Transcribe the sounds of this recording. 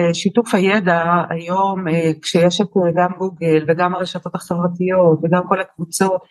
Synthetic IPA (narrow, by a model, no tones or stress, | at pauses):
ʃitufhajedaa̰jo̞mkʃejeʃakoeɡamɡuɡelveɡamaʁeʃato̞t̪aχevʁatijo̞tveɡamko̞lakvut͡so̞t